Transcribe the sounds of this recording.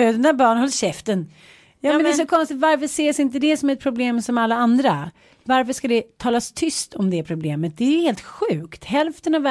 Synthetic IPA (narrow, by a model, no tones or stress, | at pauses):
d̪ɛnd̪æːbɑːɳhɔlːɕɛft̪ən | jɑːɛnd̪ɛsɔkʰɔnst̪ɪt̪vaɾfœʂeːsɪnt̪əd̪ɛsɔmæɾɛt̪̚pʰɾʊbleːmsɔmalːaand̪ɾa | vaɾfœʂkad̪ɛt̪ʰɑːlast̪ʰʏst̪ʰɔmd̪ɛpʰɾʊbleːmət̪̚d̪ɛæheːlt̪ɧʉ̟ːkt̪hɛlft̪ənav